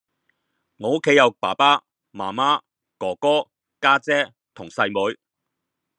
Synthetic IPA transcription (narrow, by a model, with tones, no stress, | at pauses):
ŋɔː˨˧ʊ˥kʰːe˨˥jɐ˨˧wpa̰ː˨˩paː˥ | maː˨˩maː˥ | kɔː˨˩kɔː˥ | kaː˥t͡sɛː˥ | t̪ʰʊ˨˩ŋsɐ˧jmu˨˧˥j